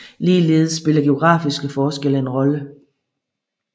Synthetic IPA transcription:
liːlḛːð̞̩ˠsːb̥e̝lɐɡ̥e̝o̝ɡ̥ʁɑ̰̈ːfisɡ̥əfɒːsɡ̥el̰əe̝nʁɒ̽lə

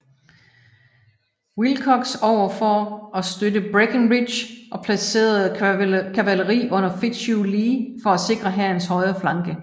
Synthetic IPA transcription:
wilkʰɒ̽ɡ̥sɒʊ̰ɐfɒɒsd̥ødəb̥ʁeɡ̥ənʁidɕʔɒ̽pʰlæse̝̰ːɐð̩ˠkʰæʋæləʁḭːʔɔ̽n̰ɐfid̥ɕuliːfɒ̽æse̝ɡ̥ʁɐɦæɐnshɒ̽ɪɐflɑ̈ŋɡ̥ə

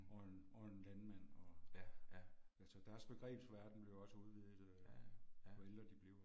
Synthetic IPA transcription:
ɒnɒenlænmæn̰ɒ̽ | ælsɒd̥æɐsb̥e̝ɡ̥ʁɛ̰ːb̥sʋæɐd̥n̩b̥le̝ʊɒ̽səuð̞ˠʋið̩ˠ | ʋɒeld̥ʁɐd̥ib̥liʊ

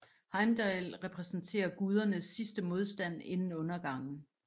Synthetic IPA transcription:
hɑ̈ɪmd̥ɑɪlʁɛpʰʁɛsn̩t͡sʰe̝̰ːɐɡ̥uð̞ˠɐnəsːisd̥əmo̝ð̞ˠsd̥æn̰e̝nn̩ɔ̽nɐɡ̥ɑ̈ŋ̰n̩

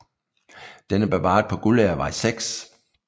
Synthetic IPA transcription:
d̥enəb̥eʋɑ̰̈ːd̥̚ˠpʰɒ̽ɡ̥uleɐʋɑ̈iseɡ̥s

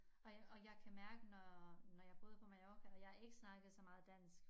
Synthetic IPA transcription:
ɒ̽ɒ̽jɑ̈ɪkʰæmæɐɡ̥ənɒnɒjɑ̈ɪb̥ɔːðˠpʰɒ̽mɑ̈jɒːkʰæjɑ̈ɪæɐe̝ɡ̥əsnɑ̈ɡ̥ð̩ˠsɒ̽mɑ̈ːð̞̩ˠd̥æn̰sɡ̥

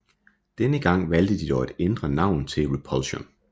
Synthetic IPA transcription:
d̥enəɡ̥ɑ̈ŋ̰ʋæld̥əd̥id̥ɒʊe̝d̥end̥ʁɐnɑ̈ʊ̰nt͡sʰe̝lʁipʰɒlɕɔm

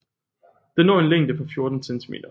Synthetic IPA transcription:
d̥enɒ̰ːe̝nleŋ̰d̥əpʰɒ̽fjo̝ɐd̥n̩sent͡sʰimḛːd̥ɐ

